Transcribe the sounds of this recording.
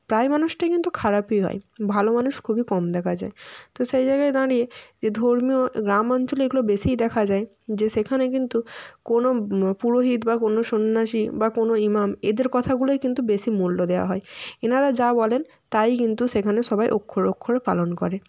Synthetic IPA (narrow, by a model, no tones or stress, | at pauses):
pɾaemanuʃʈakint̪ukʰaɾapiɦɔ̰ebʱalomanuʃkʰubikɔmd̪ɛkʰad͡ʑa̰et̪oʃejd͡ʑajɡaed̪aɽied͡ʑed̪ʱoɾmioɡɾamɔnt͡ɕoleɡulobeʃijd̪ɛkʰad͡ʑae | d͡ʑeʃekʰanek̬int̪ukonopuɾoɦid̪bakonoʃonːaʃibakonoimamḛd̪eɾkɔt̪ʰaɡulojkint̪ubeʃimulːod̪eoa̰ɦɔeenaɾad͡ʑabɔlen | t̪ajkint̪uʃekʰaneʃɔbajʔokʰːoɾokʰːoɾepa̰lonkɔɾe